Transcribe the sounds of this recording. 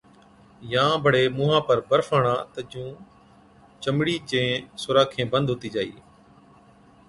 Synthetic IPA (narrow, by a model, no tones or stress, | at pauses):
jãːbʱəɽeːmũːɦãːpəɾbəɾfaːɳãːt̪əd͡ʒũː | t͡ʃəmɽiːt͡ʃẽːsʊɾaːkʰẽːbənd̪ʱɦoːt̪iːd͡ʒaːḭː